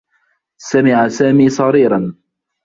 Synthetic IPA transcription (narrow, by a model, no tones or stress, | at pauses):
samɪʕasaːmiːsˤɑɾiːɾɑn